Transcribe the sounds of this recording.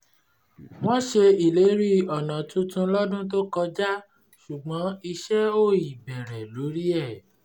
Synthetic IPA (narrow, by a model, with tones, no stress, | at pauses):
w̃ɔ̃˦ʃe˧i˨le˨˦ɾi˦˨ɔ˨nã˨tũ˨˦tũ˧lɔ˦dũ˦t̬o˦kɔ˧d͡ʒa˦ | ʃu˨ɡ͡bɔ̃˨˦i˧ʃɛ˦o˦˨i˨bɛ˨ɾɛ˨lo˨˦ɾi˦ɛ˦˨